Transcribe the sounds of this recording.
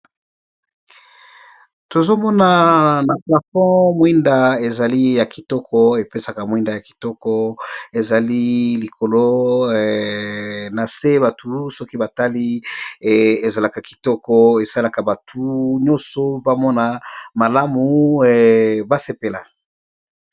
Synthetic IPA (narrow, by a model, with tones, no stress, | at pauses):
to˨zo˦mɔ˦na˨na˨pla˨fɔ̃˦mwi˦nda˨e˨za˨li˦ja˨ki˨tɔ˦kɔ˦e˨pe˦sa˨ka˨mwi˦nda˨ja˨ki̥˨tɔ˦kɔ˦e˨za˨li˦li˨ko˨lo˦ | na˨se˦ba˨tʰu˨sɔ˦ki˦ba˨ta˦li˦ | e˨za˨la˨ka˨ki̥˨tɔ˦kɔ˦e˨sa˦la˨ka˨ba˨tʰu˨˦ɲɔ̃˦sɔ˨ba˦mɔ˦na˨ma˨la˦mu˨ | ba˦se˨pe˨la˨